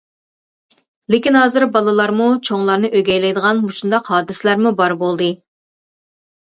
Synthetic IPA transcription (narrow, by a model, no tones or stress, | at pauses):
lɪkʲinɦɑːzɨɾbɑlˠɨlˠɑɾmut͡ʃʰoŋlˠɑɾnɨʔøɡʲɛjlɛjd̪əʁɑnmuʃund̪ɑqɦɑːd̪ɨsɪlæɾmubɑɾbolˠd̪ɨ